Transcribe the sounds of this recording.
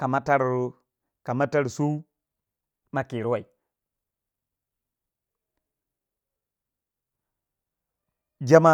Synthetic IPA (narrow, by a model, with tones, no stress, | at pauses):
ka˨ma˦ta˦ɾɾo˦ | ka˨ma˦ta˦ɾsu˦ | ma˨ki˨ɾwa˨i˨ | d͡ʒa˦ma˦˨